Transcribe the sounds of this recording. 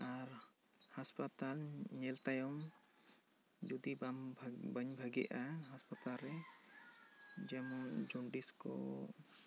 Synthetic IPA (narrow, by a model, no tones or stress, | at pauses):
aɾ | haspat̪alɲɛlt̪ajɔm | d͡ʒud̪ibamʱbəɲbʱaɡɛʔaɦaspat̪alɾɛ | d͡ʒɛmɔd͡ʒɔɳɖiskɔ̰